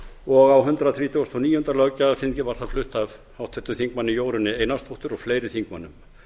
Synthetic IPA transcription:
ɔɣawɦʏnt̪ɾaθɾiːt̪ʰost̪ʰɔniːhʏnt̪ɾalœcːasɪncɪvaɾ̥t̪aflʏht̪av | hawht̪ʰɛt̪ːʏθiŋk̚manːɪjoːwɾʏnːɪejnast̪ʰoht̪ʏɾɔɣfleːjɾɪθiŋkmanːʏm

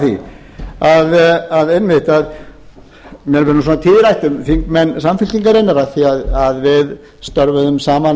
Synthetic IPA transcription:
θḭ | aðaðejnmɪht̪að | mjɛɾvɛɾnsɔːnat̪ʰɪːðɪɾajht̪ʏmθiŋkmɛnːsamfɪl̥c̪iŋkaɾɪnːaɾaθiaðaðvɪð | st̪œɾvʏðʏmsaːman

